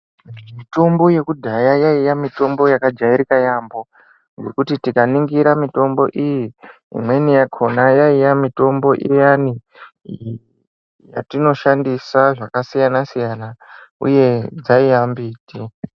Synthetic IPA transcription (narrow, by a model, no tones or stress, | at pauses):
mmito̞mbo̞je̞kudʱajajaijamito̞mbo̞jakad͡ʒaiɾikajambo̞ | ŋɡe̞kutitikaniŋɡiɾamito̞mbo̞ʔiji | ḭmwe̞nijakʰo̞najaijamito̞mbo̞ʔḭjani | ja̰tino̞ʃandisaʐakasijanasijanaṵje̞d͡zaiambiːti